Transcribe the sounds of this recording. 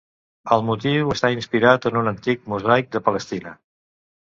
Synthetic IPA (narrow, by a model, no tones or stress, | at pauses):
əlˠmut̪iwəst̪ainspiɾat̪ənunənt̪ik̚muzajk̚d̪əpələst̪inə